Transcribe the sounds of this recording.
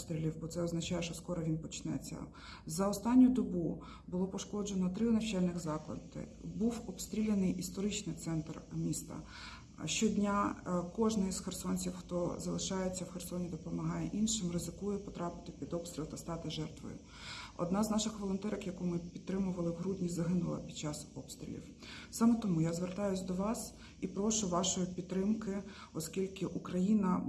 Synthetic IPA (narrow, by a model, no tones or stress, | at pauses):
st̪ɾʲilʲiwbɔt̪sɛɔznɐt͡ʃɑjɛʃt͡ʃɔskɔɾɔʋʲinpɔt͡ʃnɛ̰t͡sʲːɐ̰ | zɐɔst̪ɑnʲːʊd̪ɔbu | bʊlˠɔpɔʃkɔd͡ʒenɔt̪ɾɪnɐwt͡ʃɛlʲnɪxzɑklˠɐ̰d̪ɪ̰buwɔpst̪ɾʲilʲenɪjʔist̪ɔɾɪt͡ʃnɪjt̪sɛnt̪rmʲist̪ɐ̰ | ʃt͡ʃɔdʲnʲakɔʒnɪjsxersɔnʲt͡sʲiwxt̪ɔzɐlˠɪʃɑjet͡sʲːɐwxʲersɔnʲid̪ɔpɔmɐɦɑjɛ̰ʔinʃɪmrɪzɪkujɛpɔt̪ɾɑpɪ̥t̪ɪpʲid̪ɔpst̪ɾʲilˠt̪ɐst̪ɑt̪ɪʒɛrt̪ʋɔ̰jʊ̰ | ɔ̰d̪nɑznɑʃɪxʋɔlˠɔnt̪ɛɾɐkjɐkumɪpʲidt̪ːɾɪmʊʋɐlˠɪɦɾud̪ʲnʲizɐɦɪnʊlˠɐ̰pʲid̥̪t͡ʃɑsɔpst̪ɾʲḭlʲḭw | sɑmɛt̪ɔmujazʋert̪ɑjʊsʲd̪ɔʋɑs | ipɾɔʃʊʋɑʃɔjʊpʲidt̪t̪ːɾɪmkɪ | ɔskʲilʲkɪʔukɾɐjinɐ